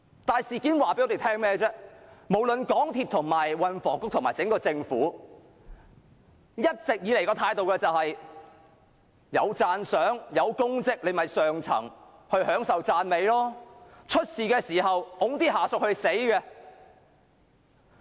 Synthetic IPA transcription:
t̪aː˨jsiː˨kiː˨˥nwaː˨˩pe˧˥jŋɔː˨˧˥e˨jt̪ʰɛː˥ŋmɛː˥t͡sɛː˥mo˨˩wlɵ˨nkɔː˨˥ŋt̪ʰiː˧˩t̪ʰʊ˨˩ŋmaː˨jwɐ˨nfɔ̰ː˨˩ŋkʊ˥t̪ʰʊ˨˩ŋmaː˨˩jt͡sɪ˨˥ŋkɔː˧t͡sɪ˧ŋfuː˨˥ | jɐ˥t̚t͡sɪ˨k̚jiː˨˧le˨˩jkɔː˧t̪ʰaː˧jt̪o˨wkɛː˧t͡sɐ˨whɐ˨j | jɐ̰˨˧wt͡saː˧nsœː˨˥ŋjɐ˨˧wkʊ˥ŋt͡sɪ˥k̚le˨˧mɐ˨jsœː˨ŋt͡sʰɐ̰˨˩ŋ | hɵ˧ɥɦœː˨˥ŋsɐ˨wt͡saː˧nme˨˧jlɔː˥t͡ʃʰɵ˥t̚siː˨kɛː˧siː˨˩hɐ˨wʊ˨˥ŋt̪iː˥ɦaː˨˩sʊ˨k̚hɵ˧ɥse˨˥jkɛː˧

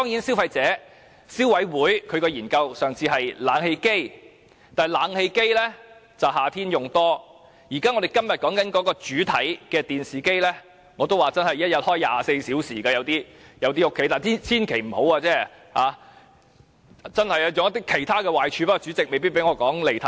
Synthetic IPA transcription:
t̪ɔː˥ŋjiː˨˥nsi˥wfɐ˧jt͡sɛː˨˥ | si˥wɐ˨˥jwuː˨˥jkʰɵ˨˧ɥkɛː˧jiː˨˩nkɐ˧wsœː˨ŋt͡sʰiː˧ɦɐ˨jlaː˨˥ŋhe˧jke˥j | t̪aː˨˩jlaː˨˥ŋhe˧jke˥jlɛː˥t͡sɐ˨wɦaː˨˩t̪ʰiː˥njʊ˨ŋt̪ɔː˥ | jiː˨˩kaː˥ŋɔː˨˧d̪e˨jkɐ˥mjɐ˨t̚kɔː˨˥ŋkɐ˨˥nkɔː˨˧˥kɔː˧t͡ʃyː˨˥t̪ʰɐ˨˥jkɛː˧t̪iː˨nsiː˨˩ke˥jlɛː˥ | ŋɔː˨˧t̪̬o˥waː˨˩t͡sɐ˥nhɐ˨˩jɐ˥t̚jɐ˨t̚hɔː˥jaː˨se˧jsiː˨˥wsiː˨˩kaː˧jɐ˨˧wt̪iː˥jɐ˨˧wt̪̬iː˥ʊ˥kʰːe˨˥jt̪aː˨˩nʰ˥t͡sʰiː˥nkʰe˨˩jm̩˨˩ho˨˥waː˧t͡sɛː˥ | haː˨˧ | t͡sɐ˥nhɐ˨jɐ˧jʊ˨ŋɐ˥t̪̬ːɪ˥kʰe˨˩jt̪ʰaː˥kɛː˧waː˨jt͡ʃʰyː˨˧pa˥kɔː˧t͡ʃyː˨˥t͡sɪ˨k̚me˨jpi˥pe˨˥jŋɔː˨˧kɔː˨˥ŋle˨jt̪ʰɐ˨

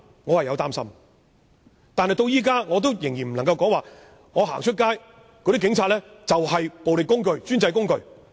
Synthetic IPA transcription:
ŋɔː˨˧hɐ˨jɐ˨˧wt̪aː˥msɐ̰˥m | t̪aː˨nhɐ˨jt̪o˧wjiː˥k̬aː˥ŋɔː˨˧t̪̬o˥wjɪ˨˩ŋjiː˨˩m̩˨˩lɐ˨˩ŋkɐ˧wkɔː˨˥ŋwaː˨ | ŋɔː˨˧ɦa̰ː˨˩ŋt͡ʃʰɵ˥t̚kaː˥j | kɔ˧˥i˥kɪ˨˧˥ŋt͡sʰaː˧t̚lɛː˥t͡sɐ˨whɐ˨jpo˨wle˨kʊ˥ŋkɵ˧ɥt͡ʃyː˥nt͡sɐ˧jkʊ˥ŋkɵ˨˧ɥ

